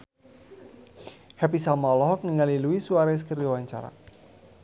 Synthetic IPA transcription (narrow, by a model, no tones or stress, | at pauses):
hɛpisamalɔɦɔk̚ŋiŋaliluisuaɾas̬kəɾiwaɲt͡ʃa̰ɾa̰